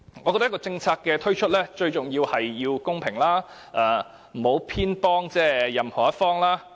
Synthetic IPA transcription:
ŋɔː˨˧kɔː˧t̪kɔː˧t͡sɪ˧ŋt͡sʰaː˧k̚kːɛː˧t̪ʰɵ˥ɥt͡ʃʰɵ˥t̚lɛː˥t͡ʃɵ˧ɥt͡ʃʊ˨ŋjiː˧whɐ˨jːiː˧wkʊ˥ŋpʰɪ˨˩ŋlaː˥ | ʔɐː˧ | m̩˨˩ho˨˥wpʰiː˥npɔː˥ŋt͡sɛː˥jɐ˨mhɔː˨˩jɐ˥t̚fɔː˥ŋlaː˥

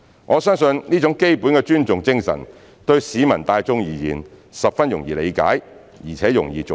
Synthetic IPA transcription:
ŋʔɔː˨˧sœː˥ŋsɵ˧nniː˥t͡ʃʊ˨˥ŋke˥jpuː˨˥nkɛː˧t͡ʃyː˥nt͡sʊ˨ŋt͡sɪ˥ŋsɐ̰˨˩n | t̪ɵ˧ɥsiː˨˧mɐ˨˩nt̪aː˧jt͡sʊ˧ŋjiː˨˧jḭː˨˩nsɐ˨p̚fɐ˥njʊ˨˩ŋjiː˨lḛ˨˧jka̰ː˨˥j | jiː˨˩t͡sʰɛː˨˥jʊ˨˩ŋjḭː˨t͡s

